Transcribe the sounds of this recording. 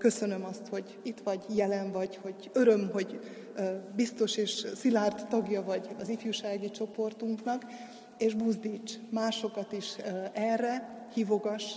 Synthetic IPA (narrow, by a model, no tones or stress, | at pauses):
kø̞sø̞nø̞mɒst̪ho̞ɟ | it̪ʋɒɟjɛlɛɱvɒɟho̞ɟ | øɾø̞mɦo̞ɟ | bist̪o̞ʃeːʃsilaːrt̪t̪ɒɡjɒvɒɟɒzifjuʃaːɡit͡ʃo̞po̞rt̪uŋknɒk | eːʒbuzd̪iːt͡ʃːmaːʃo̞kɒt̪iʃɛrːɛ | hivo̞ɡɒʃ